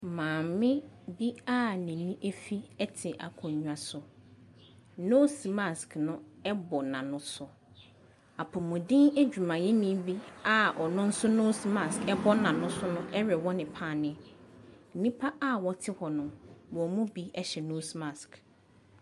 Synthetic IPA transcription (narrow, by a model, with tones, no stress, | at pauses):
mãː˨mmɪ̃˦bi˦a˦nĩ˨nĩ˦ʔe˦fi˦ɛ˦tʰɪ˨ʔa̰˨kʰʊ̃˨ɲũ˦a˨sʊ˨ | no˦sma˨sknʊ̃˦ɛ˦bɔ˨nã˨nʊ̃˦sʊ˨ | a˨pʰɔ˨mʊ̃˨dɪ̃˦ne˦d͡ʑᶣu˨mã˨jɛ˦nĩ˦bi˦a˨ʔɔ˨nʊ̃˦n̩˦sʊ˦no˦sma˨skɛ˦bɔ˦nã˨nʊ̃˦sʊ˦nʊ̃˦ɛ˦ɾɛ˨wɔ˦nɪ̃˨pʰã˦˨nɪ̃˦˨ | nĩ˦pʰa˦ʔa˦wɔ˦tʰɪ˦hɔ˨nʊ̃˨bɔ˨mũ˦bi˦ɛ˦ɕɛ˨no˦sma˨sk